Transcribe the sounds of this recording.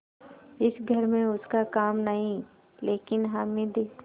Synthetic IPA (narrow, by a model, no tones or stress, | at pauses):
ɪsɡʱɐɾmẽʊskakaːmnɐɦĩ | leːkɪnɦamẽd̪eː